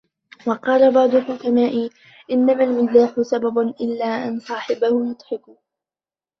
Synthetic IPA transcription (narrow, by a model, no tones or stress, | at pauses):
wɑqɑːlabɑʕd̪ˤʊlħʊkamaːʔi | ʔɪnːamalmɪaːħʊsababʊnʔɪlːaːʔansˤɑːħɪbahʊnʊd̪ˤħɪkʊ